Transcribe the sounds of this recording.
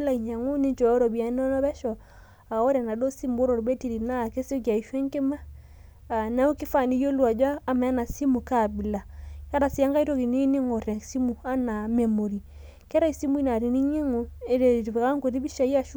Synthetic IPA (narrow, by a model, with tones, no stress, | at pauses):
la˦˨i˨ɲa˨ŋo˦ne˦ɲt͡ʃɔ˨ɔ˦ɾɔ˨bi˨a˨˦nɔ˦nɔ˦βɛ˦ʃɔ˨ | a˨o˦ɾɛ˨na˨do˦si˦mbo˦ɾo˨ɾbe˦ti˦˨ɾi˨na˦˨ke˦se˦k̬ja˨i˨ʃwe˦ŋke˦ma˦ | a˨na˦o˦kɪ˦fa˦˨ni˦jo˦lwa˨d͡ʒwaː˦˨ma˨˦na˨si˦mu˨ka˨bi˨la˨ka˦ɾa˨si˨˦a˦ŋɡa˦i˦ɾo˦ki˨ne˦ne˦ŋo˨ɾe˨si˦mu˨a˦na˨me˨mo˨ɾi˨ | kɛ˦ɾa˦i˨si˦mu˦i˦na˨ɾi˨ni˦ɲe˦ŋo˨e˦ɾe˨ka˦ŋko˨ɾi˦bi˦ʃa˨i˦a˦ʃu˦